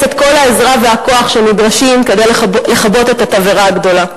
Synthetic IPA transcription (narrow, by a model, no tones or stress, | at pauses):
etko̞laezʁave̞ako̞aχʃenidʁaʃimke̞d̪ejle̞χabo̞t̪e̞tataveʁaːɡdo̞la